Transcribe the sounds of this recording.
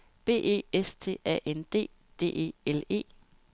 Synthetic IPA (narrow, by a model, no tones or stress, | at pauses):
b̥e̝̰ːʔe̝̰ːest͡sʰe̝̰æ̰ʔend̥e̝̰ː | d̥e̝̰ːe̝̰ːele̝̰ː